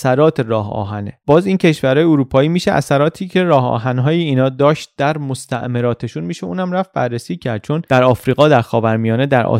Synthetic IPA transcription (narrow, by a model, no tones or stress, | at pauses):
sæɾɒːt̪ʰeɾɒːɦɒ̰ːɦænḛb̥ɒːziːncʰe̞ʃvæɾɒːjeoɾuːpʰɒːiːmiːʃeʔæ̰sæɾɒːt̪ʰiːcʰe̞ɾɒːhɒ̰ːɦænɦɒːjiiːnɒːd̪ɒːʃt̪̚d̪æɾmost̪ʰæ̰ʔmeɾɒːt̪ʰeʃuːnmiːʃeṵːnæmɾæft̪̚bærːesiːcʰæɾd̪̥̚t͡ʃʰo̞nd̪̥æɾɒːfɾiːɣɒːd̪æɾxɒːvæɾmijɒːne̞d̪æɾʔɒ̰